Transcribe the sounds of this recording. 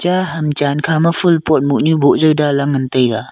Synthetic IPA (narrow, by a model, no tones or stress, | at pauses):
t͡ʃaɦɐmt͡ʃankʰamafɯlpɔt̚muʔɲubɔʔzəwdalaŋəntəja